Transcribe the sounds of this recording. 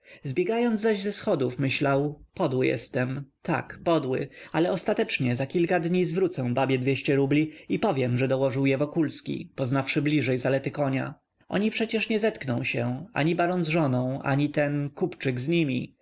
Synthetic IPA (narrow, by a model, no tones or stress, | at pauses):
zbʲjɛɡajɔnd̪zaʑzɛsxɔd̪ufmɘɕlawpɔd̪wɘjɛ̰st̪ɛmt̪a̰kpɔd̪wɘ̰alɛɔst̪at̪ɛt͡ʂɲɛzakʲilkad̪ɲizvɾut̪sɛw̃babʲjɛd̪vʲjeɕt͡ɕɛɾublʲiipɔvʲjɛmʐɛd̪ɔwɔʐɘwjɛvɔkulskʲḭpɔznafʂɘblʲiʐɛjzalɛt̪ɘkɔɲa̰ | ʔɔ̰ɲipʂɛt͡ɕɛʂɲɛzɛt̪knɔ̃w̃ɕɛa̰ɲibaɾɔnzʐɔnɔ̃w̃ʔa̰ɲit̪ɛnkupt͡ʂɘɡzɲimʲḭ